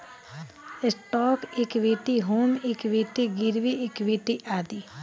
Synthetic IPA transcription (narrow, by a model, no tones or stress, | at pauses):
ɪsʈoːkɪkʋiːʈiɦoːmɪkʋiːʈiɡiɾʋiɪkʋiːʈiʔaːd̪i